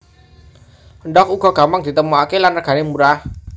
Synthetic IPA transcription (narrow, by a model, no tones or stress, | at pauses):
ənɖɔk̚uɡ̥ɔ̤ɡ̥a̤mpaŋd̪̥i̤t̪əmuakelanraɡ̥ä̤nemuɾah